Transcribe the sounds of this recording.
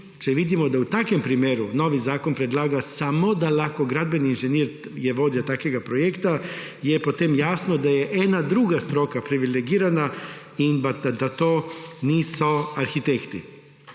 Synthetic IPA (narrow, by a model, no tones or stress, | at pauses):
t͡ʃeʋid̪imo̞d̪aut̪akʋe̞mpɾimjeɾuno̞ʋizaːko̞npɾed̪lˠaːɡasamo̞d̪alako̞ɡɾad̪beniːnʒeniːɾ | je̞ʋo̞d̪iot̪akʋeɡapɾo̞jekt̪a | jepo̞t̪emjaːsno̞d̪aje̞ʔenad̪ɾuɡast̪ɾo̞kapɾiʋileɡiːɾana | ibad̪at̪oːniːsoaɾxit̪ekt̪i